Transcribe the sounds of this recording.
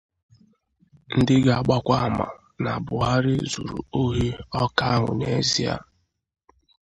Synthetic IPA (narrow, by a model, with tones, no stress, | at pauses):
n̩˦dɪ˦ɡa˨a˨ɡ͡ba˦kʷa˦˨ma̰˨ | na˨bʊ˨ɦa˦ɾɪ˦zṵ˨ɾṵ˨o˦ɦe˦ɔ˦ka˦a˦ɦʊ̰˨ne˦zi˦a̰˦